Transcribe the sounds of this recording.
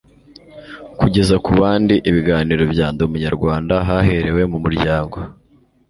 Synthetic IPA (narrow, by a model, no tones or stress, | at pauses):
kuɟe̞zakuβaːndiʔiβiɡaːniːɾo̞bɟaːndoumuɲaɾɡwaːndaɦahe̞ɾe̞we̞mumuɾɟaːŋɡo̞